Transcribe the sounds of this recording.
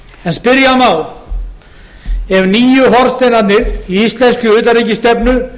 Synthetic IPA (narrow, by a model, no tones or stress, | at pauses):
ɛnspɪɾjamaːw | ɛvniːjʏɦɔɾst̪enat̪nɪɾiist̪lɛnscʏʏːt̪aɾijcɪst̪ɛpnʏ